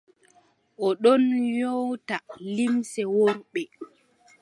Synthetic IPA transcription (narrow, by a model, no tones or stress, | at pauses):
ʔɔɗɔnjowtalimsɛwoɾɓɛ